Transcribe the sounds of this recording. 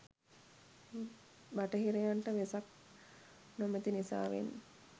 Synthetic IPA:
baʈəɦiɾejaɳʈəʋesak̚ | nomet̪inisa̰ːʋḛnː

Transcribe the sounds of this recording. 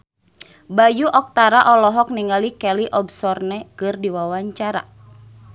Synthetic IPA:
bajuʔɔk̚t̪aɾaʔɔlɔɦɔk̚niŋalikɛliʔɔbsɔrnɛkɨrdiwawaɲt͡ʃaɾa̰

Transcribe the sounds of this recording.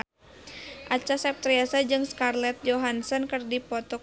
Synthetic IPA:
ʔat͡ʃasap̚t̪ɾiasad͡ʒɨŋskarlɛt̪̚d͡ʒɔɦansɔnkɨrdipɔt̪ɔ

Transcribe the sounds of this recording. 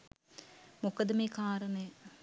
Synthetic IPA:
mukəd̪əmekaːɾənəj

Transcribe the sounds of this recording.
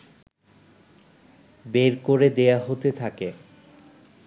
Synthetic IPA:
beɾkoɾed̪eaɦot̪et̪ʰake

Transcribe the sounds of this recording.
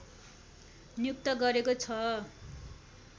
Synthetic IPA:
njuk̚t̪ʌɡʌɾekot͡sʰʌ

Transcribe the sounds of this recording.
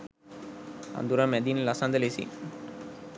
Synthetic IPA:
ɐ̰nd̪uɾamɛd̪iːnlɐsand̪ɐlesḭ

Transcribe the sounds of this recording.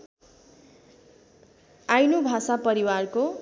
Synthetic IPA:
ajnobʱasapʌɾiwarko

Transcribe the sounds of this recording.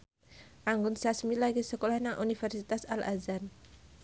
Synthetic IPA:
ʔaŋɡʊnsasmilaɡisəkolahnaŋʔunifɛrsit̪asalʔa̰zan

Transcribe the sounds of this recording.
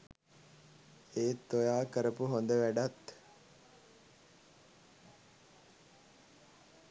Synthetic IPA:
eːt̪ːojaːkəɾəpuɦond̪əʋæɖat̪

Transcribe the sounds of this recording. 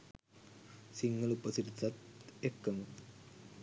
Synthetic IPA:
siŋɡəlupəsiɾt̪at̪ekːəmu

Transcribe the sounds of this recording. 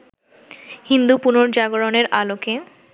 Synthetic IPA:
hind̪upunoɾd͡ʑaɡoɾoneɾaloke

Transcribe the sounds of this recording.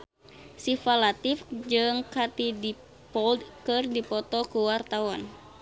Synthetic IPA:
sifalat̪ifd͡ʒɨŋkat̪idi | pɔldkɨrdipɔt̪ɔkuwart̪awan

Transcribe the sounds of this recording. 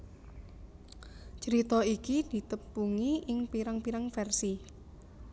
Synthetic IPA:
t͡ʃəɾit̪ɔikid̪̥i̤t̪əpːuŋiʔɪŋpiɾaŋpiɾaŋfɛrsi

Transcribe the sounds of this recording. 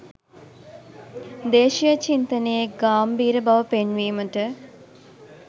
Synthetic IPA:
d̪eːʃijət͡ʃint̪ənejeɡaːmbiːɾəbaʋəpenʋiːməʈə

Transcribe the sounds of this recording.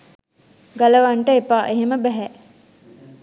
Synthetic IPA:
ɡaləʋaɳʈəepaːʔeɦeməbæɦæ

